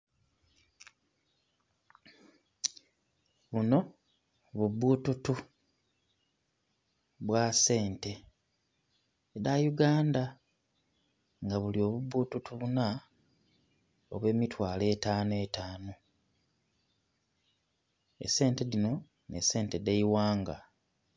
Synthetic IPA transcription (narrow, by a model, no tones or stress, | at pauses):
βuno̞ | βubːuːtutu | βwase̞ːnte̞ | eɾajuɡaːnda | ŋɡaβulio̞βubːuːtutuβuna | o̰βwe̞ːmitwaːle̞ːtaːnoetaːno | ḛse̞ːnte̞lino̞ | ne̞̰se̞ːnte̞deiwaːŋɡa̰